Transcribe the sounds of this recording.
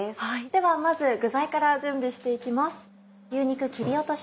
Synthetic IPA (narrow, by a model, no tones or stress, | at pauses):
esad̪̥e̞βamazɨɡɯ̟zaikaɾaʑɨ̃mbʲiɕi̥t̪e̞ikʲimasɨ̥ | ɯːɲ̟ikɯ̟kʲiɾʲio̞t̪o̞ɕ